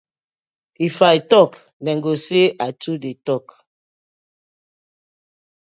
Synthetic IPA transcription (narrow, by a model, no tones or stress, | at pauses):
ifaitɔk | nɛŋɡoseʔatudetɔk